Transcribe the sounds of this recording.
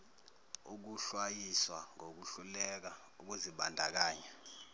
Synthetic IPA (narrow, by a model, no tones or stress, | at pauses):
uk̬uɬwajiswaŋok̬uɬulɛk̬a | uk̬uziɓandʱak̬aːɲɛ